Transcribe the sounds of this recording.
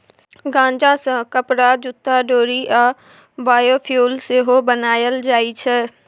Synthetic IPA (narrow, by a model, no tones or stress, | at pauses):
ɡãːnd͡ʒãsə̃kəpɾad͡ʒʊt̪ːaɖoːɾiʔa | baːjoːpʰjuːlseɦobənaːjəld͡ʒaːit͡ʃʰɛː